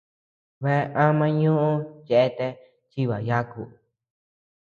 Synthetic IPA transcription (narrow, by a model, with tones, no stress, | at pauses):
βe˦˧ʔã˦mã˧ɲũ˦ʔũ˦je˧ʔe˦t̪e˧ | t͡ʃi˦βa˨ja˦kṵ˨